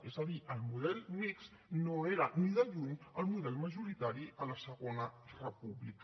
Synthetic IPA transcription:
ezəðiʔəlˠmuðɛlˠmiks | noeɾəniðəʎuɲəlˠmuðɛlˠməʒuɾit̪aɾiʔələsəɣonərəpuβlik

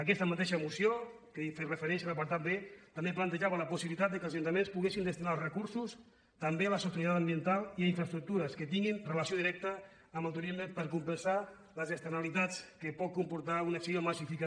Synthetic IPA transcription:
ək̬ɛst̪əmat̪ɛʃəmusio | kəferəfəɾɛnsələpaɾt̪at̪̚bet̪əmbeplant̪əʒaβələpusiβilit̪at̪̚d̪əkəlˠzaʒunt̪əmenspuɣesind̪əst̪inalˠrəkuɾsus | t̪əmbealəsut̪uɾit̪at̪əmbiənt̪alˠiaiɱfɾəst̪ɾuk̚t̪uɾəskət̪iŋɡinrələsioðiɾɛk̚t̪əː | məlˠt̪̬uɾizməpəɾkumpənsa | ləzəst̪əɾnalit̪at͡skəpɔt̪̚kumpuɾt̪aunəksiomasifika

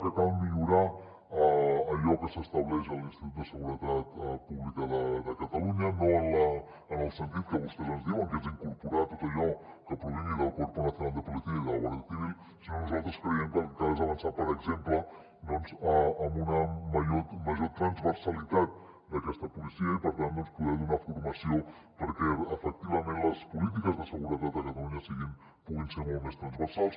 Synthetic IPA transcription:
kəkammiʎuɾa | əːʎɔkəsəst̪əβlɛʃəlinst̪it̪ut̪d̪əsəɣuɾət̪at̪əpuβlikəðəðəkət̪əluɲənoənləː | nəlˠsənt̪it̪̚kəβust̪ɛzənzðiwəŋkɛnziŋkuɾpuɾat̪ot̪əʎɔ | kəpɾuβiɲiðəlˠkuɾpunat̪unald̪əpulit̪iəiðələβoɾðət̪iβil | sinonuzalˠt̪ɾəskɾəɛmkəkaɛzəβənsapəɾəɡzemplə | d̪ɔnzəːmbunəməʒot̪məʒot̪ɾənzβəɾsəlit̪at̪̚ | d̪əkɛst̪əpulisiəipəɾt̪and̪ɔnspuðɛðunafuɾməsio | pəɾkɛəfək̚t̪iβəmẽnləspulit̪̬ikəzðəsəɣuɾət̪̚at̪əkət̪əluɲəsiɣim | puɣinseɾmolˠt̪mest̪ɾənzβəɾsalˠs

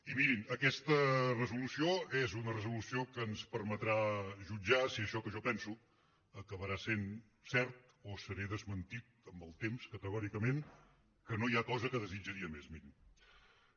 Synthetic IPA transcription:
imiɾinəkɛst̪ərəzulusioɛzunərəzulusiokəːnspəɾmət̪ɾaʒud͡ʒasiəʃɔkəʒɔpɛnsu | əkəβəɾasen | sɛɾt̪̚ | osəɾɛðəzmənt̪it̪̚əmbəlˠt̪emskət̪əɣɔɾikəmen | kənojakɔzəkəðəzid͡ʒəɾiəmezmiɾim

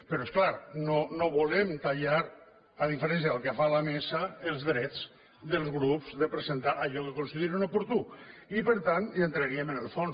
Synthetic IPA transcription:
pəɾɔesklaɾnonoβulemt̪aʎaɾ | aðifeɾɛnsjaðəlˠkeafalamesaelzðɾɛd͡z | ðəlˠzɣɾupzðəpɾəsent̪aʔaʎɔkekonsiðiɾunopuɾt̪uipəɾt̪anjant̪ɾaɾiəmənəlˠfon

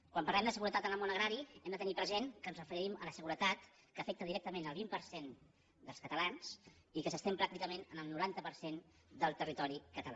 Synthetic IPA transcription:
kwampərɾlɛmd̪əsəɣuɾət̪at̪ənəlˠmonəɣɾaɾiɛmd̪ət̪ənipɾəzenkənzrəfəɾɾimələsəɣuɾət̪at̪ | kəfɛk̚t̪əðiɾɛk̚t̪əmenəlˠβimpəɾsen | d̪əlˠskət̪əlans | ikəsəst̪empɾakt̪ikəmenənəlˠnuɾant̪əpəɾsen | d̪əlˠt̪ərit̪ɔɾikət̪əla̰

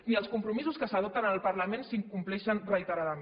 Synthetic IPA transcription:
niəlˠskumpɾumizuskəsəðɔp̚t̪ənalˠpəɾləmẽnsiŋkumplɛʃənrəit̪əɾaðə

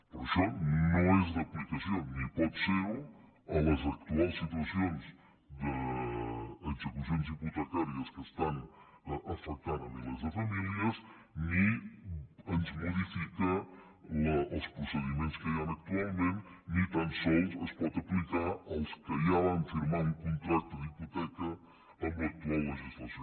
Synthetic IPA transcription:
poɾʃɔnõw̃ɛzd̪ɐplikɐsjõnipɔt̪seɾ | ɐlɐzɐk̚t̪ualsːit̪wɐsjõnz | d̪ə | ɐsik̪uɐs̬jõnziput̪ɐt̪aɾjɐskəst̪ãn | ʔɐfɐk̚t̪aɾɐlivɐɾzðəfɐmiljɐs | ni | ɐnzmoðifikɐ | ɐɐwspɾusəðimẽnt̪u̥skɐjɐ̃nɐk̚t̪ualˠmẽnt̪nit̪ɐ̃nsɔwsɐspɔt̪ɐplikaɾɐwskɐjaɐ̃nfiɾmaɾ̃ũkõnt̪ɾat̪uðiput̪ɛkɐ | ɐ̃mbiɐk̚t̪uawɐʒist̪lˠɐso

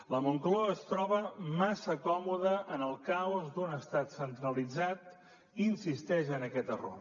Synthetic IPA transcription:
ləmuŋkloəəst̪ɾɔβəmasəkɔmuðəʔənəlˠkawzd̪unəst̪at̪sənt̪ɾəlid͡zat̪ | insist̪ɛʒənəkɛt̪əro̰r

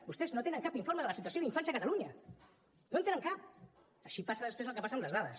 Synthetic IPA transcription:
bust̪eznot̪enəŋkapiɱfoɾməðələsit̪uasjoðiɱfansjɐðəkət̪aluɲə | nont̪enəŋkap̚ | əʃipasəðəspɾezəlˠkəpasəmləzðaðəs

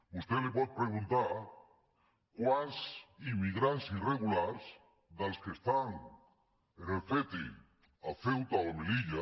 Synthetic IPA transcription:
ust̪elepoð̚pɾeɣũnt̪aɾ | kwasimiɣɾansireɣulaɾs | d̪alskest̪aŋ | enefet̪ḛ | aθewt̪aomeliʎa

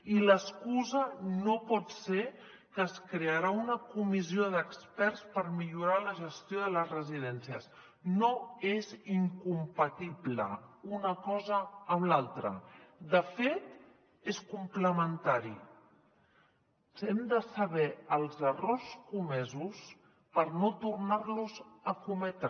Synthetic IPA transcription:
iləskuzənopɔt̪se | kəːskɾeəɾaunəkumizioðəkspɛɾspəɾmiʎuɾaləʒəst̪joðələzrəziðɛnsiəs | noeziŋkumpət̪iβlə̰unəkɔzəːmlalˠt̪ɾə̰d̪əfet̪ | eskumpləmənt̪aɾḭ | sɛmd̪əsəβɛəlˠzəroskumɛzus | pəɾnot̪urnarluzəkumɛt̪ɾ

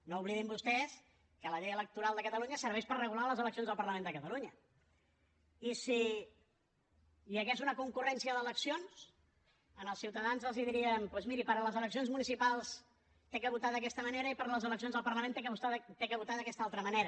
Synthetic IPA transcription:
nouβliðimbust̪ɛs | kələʎɛjələk̚t̪uɾalˠd̪əkət̪əluɲəsəɾβɛʃpərrəɣulaləzələksionzðlˠpəɾləmẽnd̪əkət̪əluɲə | isi | ʎəɣezunəkuŋkurɛnsiəðələksions | ənəlˠsiwt̪əðanzəlˠziðiɾiəmpwezmiɾipəɾələzələksionzmunisipalˠs | t̪ekəβut̪aðəkɛst̪əməneɾəipəɾləzələksionzðəlˠpəɾləmenekut̪ekəβut̪aðəkɛst̪aalˠt̪ɾəməneɾə

